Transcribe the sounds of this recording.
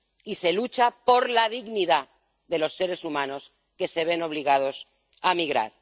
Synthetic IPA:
ise̞lut͡ʃapo̞ɾlaðiɣniða | ðe̞lo̞sːe̞ɾe̞sumano̞s | ke̞se̞β̞e̞no̞β̞liɣ̞að̞o̞s | amiɣɾa̰ɾ

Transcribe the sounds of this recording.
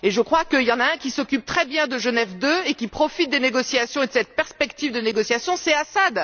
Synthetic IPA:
eʒəkχwakəiljɑ̃naɛ̃kʲisɔkʲyp̚t̪χɛbjɛ̃d̪əʒənɛvd̪øekʲipχɔfit̪̚d̪eneɡɔsiasjɔ̃ed̪əsɛt̪̚pɛʁspɛkt̪ivd̪əneɡɔsjasjɔ̃sɛasad̪

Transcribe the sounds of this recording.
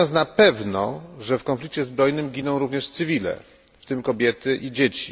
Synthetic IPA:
ɔnsnapɛvnɔʐɛfkɔnflʲik̚t͡ɕɛzbɾɔjnɘmɡʲinɔ̃w̃ɾuvɲɛʂt̪sɘvʲilɛ̰ | ft̪ɘmkɔbʲjɛt̪ɘʔid͡ʑet͡ɕi̥

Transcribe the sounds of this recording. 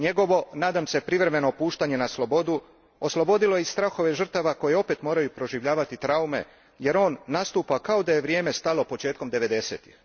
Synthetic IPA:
ɲe̞ɡo̞ʋo̞naːd̪amse̞pɾiʋɾe̞me̞nopuːʃt̪aɲe̞naslo̞bo̞d̪u | oslˠo̞bo̞d̪ilo̞jest̪ɾaxo̞ʋe̞ʒər̩t̪aʋako̞jeo̞pe̞t̪mo̞ːɾajupɾo̞ʒiʋʎaːʋat̪it̪ɾaume̞̰ | je̞ɾo̞ːnːast̪uːpakao̞d̪ajeʋɾjeːme̞st̪alo̞po̞t͡ʃe̞ːt̪̚ko̞md̪e̞ʋe̞d̪e̞se̞ːt̪i̥x

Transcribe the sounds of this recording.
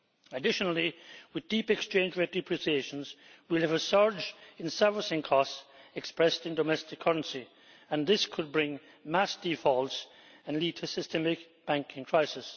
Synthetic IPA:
ɨdɪʃənl̩ˠiwɨðdipɨkst͡ʃʰẽɪ̃nd͡ʒɹɛtɹɨpʰɹ̥isieɪʃə̃n̩zwɪlˠɨvəsɜ˞d͡ʒɨ̃nsɜ˞fəsɪ̃ŋkʰɔsɛkspɹɛstɨ̃ndomɛstɨkʰːʌɹə̃nsi | ə̃nðɪskʰɨd̚bɹɪ̃ŋ | mæsd̥ifɔlˠs | ɨ̃nlid̚tʰɨsɨstʰɛmɪk | b̥æ̃ŋkʰɪ̃ŋkʰɹ̥aɪsɪs

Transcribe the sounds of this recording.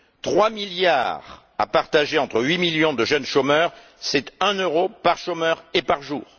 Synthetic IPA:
t̪χwamilja̰ʁ | a̰paʁt̪aʒeɑ̃t̪χəɥimiljɔ̃d̪əʒœnʃomœːʁ | sɛt̪ɛ̃nøʁopaʁʃomœʁepaʁʒuːʁ

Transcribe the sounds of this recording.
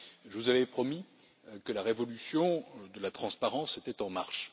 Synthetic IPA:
ʒəvuzavɛpχɔmi | kəlaʁevɔlysjɔ̃d̪əlat̪χɑ̃spaʁɑ̃set̪ɛt̪ɑ̃maʁʃ

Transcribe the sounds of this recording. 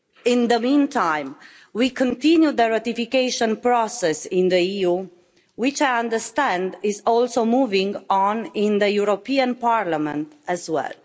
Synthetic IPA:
ɪ̃nðəmĩntʰãɪ̃m | wikə̃ntĩnjud̪əɹat̪ifikeɪʃɔ̃npɾɔsɛsɪ̃nd̪əiu | wɪt͡ʃajãndə˞st̪æ̃ndɪzɔlsomuvɪ̃ŋɡɔ̃nɪ̃nðəjuɾopiə̃npaɹlamɛ̰̃ntæzwɛ̰l

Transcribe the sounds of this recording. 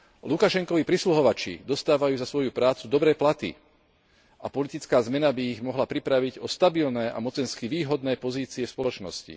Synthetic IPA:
lukaʃɛŋkɔʋipɾisluɦɔʋat͡ʃḭd̪ɔst̪aːʋajuːzasʋɔjupɾaːt͡sud̪ɔbɾɛːplat̪ḭ | ʔapɔlit̪it͡skaːzmɛnabiːɣmɔɦlapɾipɾaʋiɟɔst̪abilnɛːʔa̰mɔt͡sɛnskiʋiːɦɔd̪nɛːpɔziːt͡siɛfspɔlɔt͡ʃnɔ̰scḭ

